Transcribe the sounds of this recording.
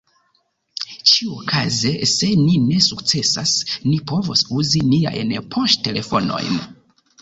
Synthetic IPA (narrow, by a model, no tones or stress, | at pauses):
t͡ʃiuokʰazese̞nine̞suk̚t͡se̞sasnipo̞vosuzinia̰jnpʰoʃtte̞le̞fo̞no̞̰jn